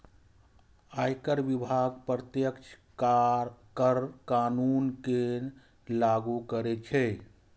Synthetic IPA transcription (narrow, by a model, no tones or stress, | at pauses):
ajkəɾʋibʱaɡpɾət̪jəkt͡ʃʰ | kəɾkaːnuːnke | laɡukəɾet͡ʃʰɛ